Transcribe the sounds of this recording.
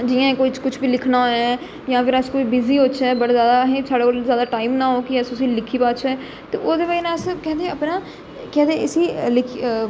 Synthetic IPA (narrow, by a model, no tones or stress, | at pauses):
d͡ʒɪjãːẽkoːit͡ʃkʊt͡ʃʰbiːlɪkʰnaːɦoː | jãːfɪɾəskoːiːbɪziːot͡ʃɛːbəɽaːzjaːd̪aːɦẽːsaːɽeːkolzjaːd̪aːʈaːimnãːɦoːkiəsʊsĩːlɪkʰiːpaːtt͡ʃʰɛː | t̪eːʔoːd̪eːʋaːinãːəskɛ̃ːnd̪eːəpnãː | kɛ̃ːd̪eːəsiːlɪkʰ